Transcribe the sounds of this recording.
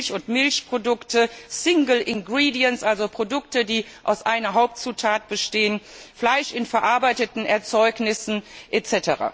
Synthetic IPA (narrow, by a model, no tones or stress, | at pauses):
çʊntmɪlçpʁ̥odʊktəsɪŋɡl̩ʔɪnɡʁiːdiənsʔalzopʁ̥odʊktədiːʔa̰ʊsʔaɪnɐɦaʊp̚tt͡suːtʰaːt̚b̥əʃteːənflaɪʃɪnfɛɐʔaɐbaɪtətn̩ʔɛɐt͡sɔʏknɪsn̩ʔet͡sɛtəʁa̰ː